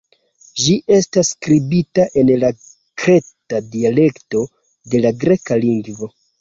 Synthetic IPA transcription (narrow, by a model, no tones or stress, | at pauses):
d͡ʒiʔe̞staskɾibitaʔe̞nla | kɾe̞tadiale̞kto̞ | de̞laɡɾe̞kaliŋɡvo̞